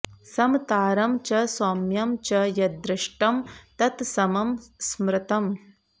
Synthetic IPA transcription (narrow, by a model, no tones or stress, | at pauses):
sɐmt̪aːɾɐmt͡ʃɐsaːmjɐmt͡ʃɐjɐd̪ɾɪʂʈɐmt̪ɐt̪sɐmɐmsmɾɪt̪ɐm